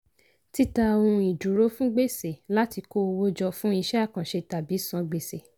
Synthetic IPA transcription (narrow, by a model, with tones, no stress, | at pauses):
ti˦tã˧˨˧ũ˧i˨d͡ʒu˨ɾo˨˦fũ˦ɡ͡be˦˨se˨la˦ti˧ko˦˧wo˦d͡ʒɔ˧fũ˦i˧ʃɛ˦a˦˨kã˨ʃe˧ta˨bi˨˦sã˨˧ɡ͡be˨se˨